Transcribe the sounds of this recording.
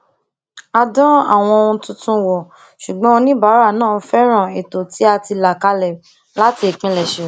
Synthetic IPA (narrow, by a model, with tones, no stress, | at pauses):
a˧dɔ̃˦a̰˦˨w̃ɔ̃˧o˧ũ˧tũ˦tũ˦wɔ˨ | ʃu˨ɡ͡bɔ̃˦õ˧nĩ˦ba˨˦ɾa˦˨nãː˦˨˦fɛ˦ɾ̃ã˦˨e˨to˨ti˦a˧ti˧la˨ka˧lɛ˨ | la˦ti˧e˨k͡pĩ˨˧lɛ˨ʃɛ˨